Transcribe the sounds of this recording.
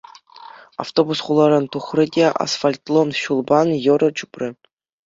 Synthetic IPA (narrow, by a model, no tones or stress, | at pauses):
a̰ft̪obusχulˠɑɾɑnt̪uχrɘ̆dʲeʔa̰sfalʲt̪lˠonɕulˠbɑnjɤ̆ɾɤ̆t͡ɕuprʲɘ̆